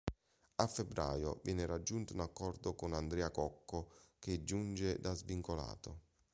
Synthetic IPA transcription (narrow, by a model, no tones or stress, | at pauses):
afːebːɾa̰ːjo̰vjɛːnɪɾad͡ʒːunt̪ʊunakːɔrd̪ʊkʊnand̪ɾɛːakɔkːʊked͡ʒːund͡ʒed̪azviŋkola̰ːt̪ʊ